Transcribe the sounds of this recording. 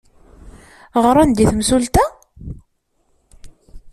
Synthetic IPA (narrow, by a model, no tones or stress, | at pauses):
ʁəɾˤand̪iθmsult̪æ